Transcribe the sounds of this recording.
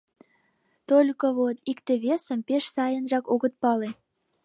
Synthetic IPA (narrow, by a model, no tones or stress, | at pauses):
t̪olʲkoβot̪ikt̪eβesə̆mpeʃsɑjənʒɑkoɣət̪̚pɑle